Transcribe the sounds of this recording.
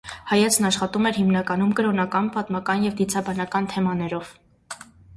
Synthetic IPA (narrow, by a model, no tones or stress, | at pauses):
hɑjɛt͡sʰnɑʃχɑt̪umɛɾhimnɑkɑnumkəɾɔnɑkɑnpɑt̪mɑkɑnjɛvd̪it͡sʰɑbɑnɑkɑnt̪ʰɛmɑnɛɾɔv̥